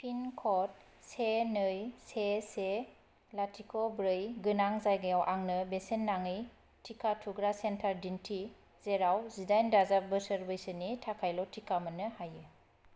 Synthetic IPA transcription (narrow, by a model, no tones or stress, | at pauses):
pʰinkʰɔt̚ | senɯjsese | latʰikʰɔbɾɯjɡɯnaŋzajɡajawʔaŋnɯbesenːaŋɯj | tʰikʰatʰuɡɾasentʰaɾdintʰi | zeɾawzidajndazabɯsəɾbejsɯnitʰakʰajlɔtʰikʰamɯnɯhajɯ